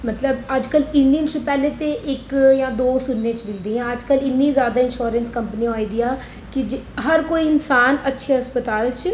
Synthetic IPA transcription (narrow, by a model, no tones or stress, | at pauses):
mət̪ləbəd͡ʒkəlɪnɖiənt͡ʃʊpɛːleːt̪eʔɪkjãːd̪oːsʊnːẽːt͡ʃbɪld̪iːɛ̃ːəd͡ʒkəlɪnːĩːzjaːd̪aːɪnʃoːɾənskəmpənioːiːd̪iːãː | kid͡ʒɦəɾkoːiːɪnsaːnətːʃʰeɦəspət̪aːlt͡ʃ